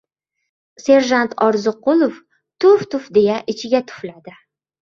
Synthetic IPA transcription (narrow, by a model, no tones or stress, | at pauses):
se̞ɾʒant̪ʰɒɾzɨqʊlˠof | t̪ʰʊft̪ʊfd̪e̞jaʔɪt͡ʃʰɪɡʲat̪ʰʊ̥flad̪ɪ